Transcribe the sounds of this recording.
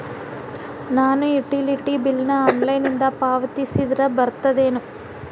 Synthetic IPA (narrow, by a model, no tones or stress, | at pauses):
naːnuiʈiliʈːibilnɐɐnlɐjnind̪ɐpaːʋɐt̪isid̪ɾɐbɐɾt̪ɐd̪eːnu